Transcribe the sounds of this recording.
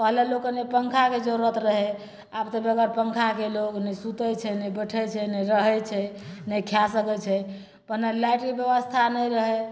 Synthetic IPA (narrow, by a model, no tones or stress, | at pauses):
pəɦlelokənepəŋkʰaked͡ʒəɾuət̪ɾəɦɛ | abt̪əbeəɡəɾpəŋkʰakeloknəsut̪ət͡ʃʰɛnəjbəʈʰɛt͡ʃʰɛnəɾəɦɛt͡ʃʰɛ | nəjkʰjasəkɛt͡ʃʰɛ | pəɾnalajʈkebjəʋəst̪ʰanəjɾəɦɛ